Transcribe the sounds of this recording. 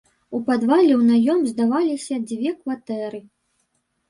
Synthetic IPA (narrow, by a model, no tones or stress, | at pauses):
upad̪valʲɛwnajɔmzd̪avalʲisʲɐd͡zʲvʲɛkvat̪ɛɾɨ